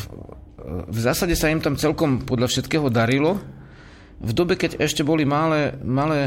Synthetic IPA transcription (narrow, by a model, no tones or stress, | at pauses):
vzaːsaɟɛsaimt̪amt͡sɛlkɔmpɔd̪ʎafʃɛt̪kɛːɦɔd̪aɾilɔ | vd̪ɔbɛkɛɟɛʃcɛbɔlimalɛmalɛː